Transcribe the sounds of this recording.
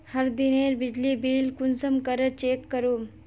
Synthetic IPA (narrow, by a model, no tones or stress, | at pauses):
həɾd̪ineːɾbid͡ʑlibiːlkunsəmkəɾət͡ʃeːkːəɾuːm